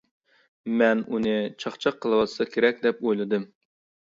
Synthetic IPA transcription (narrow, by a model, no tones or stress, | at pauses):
mɛnunɨt͡ʃʰɑχt͡ʃʰɑqʰːəlˠɨwɑt̪ʰsɑkʲʰeɾɛk̚ʲd̪ɛpojlˠɨd̪ɨm